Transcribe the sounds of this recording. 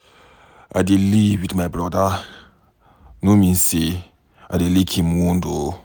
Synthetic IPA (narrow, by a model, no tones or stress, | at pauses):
a̰diliwidmabɹɔda | nomĩnse | a̰delikʰĩmwũndo